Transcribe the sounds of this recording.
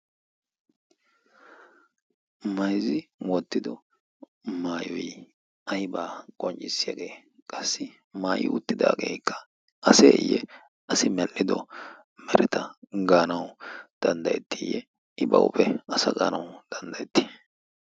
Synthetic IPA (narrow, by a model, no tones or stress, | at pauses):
mɐjzɪwɔt̪ːɪd̪ɔ | maːjɔj | ɐjbaːkʼɔnt͡ʃʼːɪsːɪjaɡeː | kʼɐsːɪ | maːjɪ̰ʊt̪ːɪd̪a̰ːɡeːjkʰːɐ̥ | ʔɐseːjɛ | ɐsɪmɛlːɪd̪ɔ | mɛɾɛt̪ɐɡaːnɐwd̪̥ɐnd̪ɐjɛt̪ʰːɪjɛ | ɪbɐ̰wʊpɛɐsɐɡaːnɐwd̪̥ɐnd̪ɐjɛt̪ːi̥